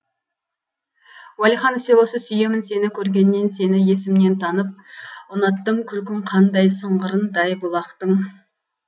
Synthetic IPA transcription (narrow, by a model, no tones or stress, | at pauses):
wælˠijχɑnfsewo̞səsʏje̞mɪnse̞nɪkʲʰɵɾɡʲe̞nːe̞nse̞nɪje̞sɪmne̞nt̪ʰɑnəp̚ʊnɑt̪ːəɴkʲʰʏlkʲɪŋqʰɑnd̪ɑjsəɴʁəɾənd̪ɑjbʊlˠɑqt̪əɴ